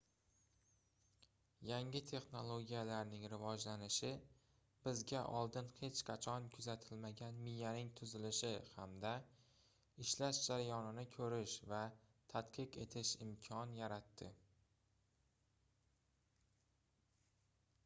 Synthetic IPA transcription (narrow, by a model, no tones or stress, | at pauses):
jaŋɪt̪ʰe̞χno̞lˠoɡʲijalaɾnɪŋɾɪvɒd͡ʒlanɪʃɪ | b̥ɪzɡʲaʔɒlˠd̪ɪnhe̞t͡ʃqʰɑt͡ʃʰɒnkʲʰʊzat̪ʰɪlmaɡʲanmijːanɪŋt̪ʰʊzɪlɪʃɪhamd̪a | ɪʃlaʃd͡ʒaɾajɒnɪnɪkʲʰɵɾɪʃvat̪ʰat̪qʰɨqe̞̰t̪ʰɪʃɪmkʲʰɒnjaɾat̪ːɪ